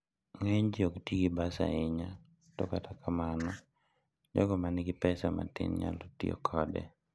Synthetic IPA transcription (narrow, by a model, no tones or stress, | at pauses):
ŋeɲd͡ʒioktiɡibasa̰ɪɲa | toɔkatakʰamanɔ | d͡ʒɔ̰ɡɔmanɪɡɪpɛsama̰tɪ̰nɲa̰lotiɔ̰kʰɔdɛ̰